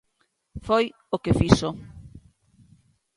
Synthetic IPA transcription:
foj | okefiʃo

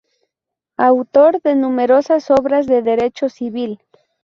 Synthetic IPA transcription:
awt̪o̞ɾðe̞nume̞ɾo̞saso̞βɾazðe̞ðe̞ɾe̞t͡ʃosiβil

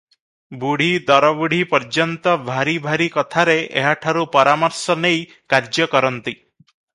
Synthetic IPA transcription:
buɽ̤id̪ɔɾɔbuɽ̤ipɔɾd͡ʒɔnt̪ɔbʱaɾibʱaɾikɔt̪ʰaɾeḛɦaʈʰaɾupɔɾamɔɾsɔnej | kaɾd͡ʒjɔkɔɾɔnt̪i

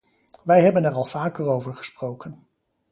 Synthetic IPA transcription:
ʋɛjɦɛbənɛrɑlˠv̥aːkərowvəɹχə̥sprowkən

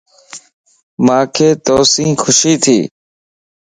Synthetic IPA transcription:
mãːkʰeːt̪oːsĩːkʰʊʃiːt̪ʰḭː

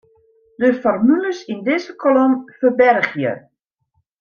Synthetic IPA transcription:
dəfɔrmyləsindɪzəkʰolʊmfəbɛrxjə̰

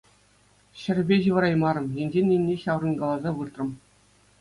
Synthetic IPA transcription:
ɕɘ̆rʲbʲeʑɯʋɤ̆ɾɑjmɑɾɤ̆mjĕnʲd͡ʑenʲːenʲːeɕɑʋrɤ̆nɡɑlˠɑzɑʋɯrt̪rɤ̆m

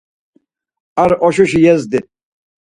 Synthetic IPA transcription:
aɾɔʃɔʃijɛzd̪i

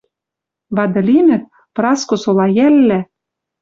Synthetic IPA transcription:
βɑd̪ɤ̆linɘ̆t̪̚ | prɑskŏsolɑjælːæ

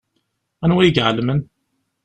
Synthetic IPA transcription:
ænwæjəɡʕəlmən

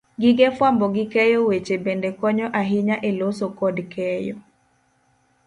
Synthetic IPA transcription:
ɡɪɡɛfwambɔɡɪkɛjowet͡ʃebendekɔɲɔʔaɦɪɲaʔelosokɔdkɛjɔ

